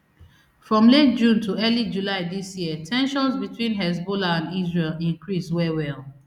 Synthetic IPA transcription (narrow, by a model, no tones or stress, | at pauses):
fɹɔ̃mlet̚d͡ʒũntʰuɜlid͡ʒulaɪdisjiətʰɛ̃nʃɔ̃nsbitʰwĩnɦɛs̬bolaãndizɹelĩŋkɹiswɛwɛl